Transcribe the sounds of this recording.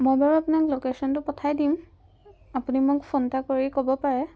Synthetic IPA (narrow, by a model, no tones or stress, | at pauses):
mojbaɹuapunaklokesɔntʊpɔtʰajdim | apunimʊkfʰontakoɹikobɔpaɹɛ